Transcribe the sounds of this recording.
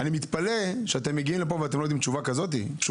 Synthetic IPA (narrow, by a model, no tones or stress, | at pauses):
animit̪paleʃeat̪emːeɡiimlepoveat̪emlojd̪imt͡ʃuvakazo̞t̪̬ḭtu